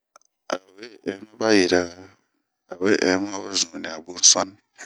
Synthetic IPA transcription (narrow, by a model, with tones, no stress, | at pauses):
a˨we˦ɛ˨˦ma˦ba˦ji˨ɾa˦ | a˨we˦ʔma˦ba˦zũ˨nĩ˨a˨bu˦sa˦n